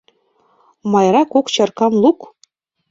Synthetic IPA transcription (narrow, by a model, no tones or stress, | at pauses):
mɑjɾɑkokt͡ɕɤ̆rkɑmlˠuk